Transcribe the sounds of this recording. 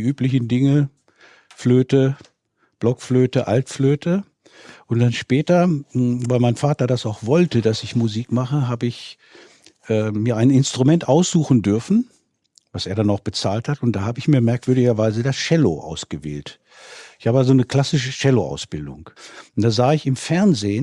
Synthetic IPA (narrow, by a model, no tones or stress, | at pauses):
iʔyːplɪçn̩dɪŋə | fløːtə | b̥lɔkfløːtəʔaltfløːtə | ʔʊntd̥anʃpɛːtɐvaɪmaɪnfaːtɐdasaʊxv̥ɔltədasɪçmuziːkmaχəɦaːbəɪç | ʔɛːmiːɐaɪnɪnstʁ̥umɛntʔaʊsz̥uːxn̩dʏɐfn̩ | vaseːɐɾanaʊxb̥ət͡saːlthatʊntd̥aːhaːbəɪçmiːɐmɛɐkv̥ʏɐdɪɡɐvaɪzədasʃɛlo̰ʔa̰ʊsɡ̥əvḛːlt | ɪçhaːbəjazoːnəkl̥asɪʃəʃɛloʔa̰ʊsb̥ɪldʊ̰ŋnd̥aːzaːɪçɪmfɛɐnzeːən